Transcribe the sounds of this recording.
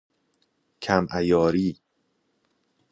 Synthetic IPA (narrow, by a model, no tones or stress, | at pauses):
cʰæmʔæjɒːɾiː